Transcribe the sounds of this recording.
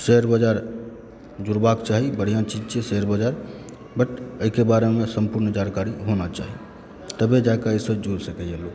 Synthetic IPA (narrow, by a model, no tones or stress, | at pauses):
səəɾbəd͡ʒaɾ | d͡ʒuɾbakt͡ʃaɦibəɽ̤ijãt͡ʃid͡ʒt͡ʃesəəɾbəd͡ʒaɾ | bəʈəikebaɾemesəmpuɾnd͡ʒankaɾiɦonat͡ʃa̰ɦi | t̪əbed͡ʒakaəsəbd͡ʒuɾsəkɛjelo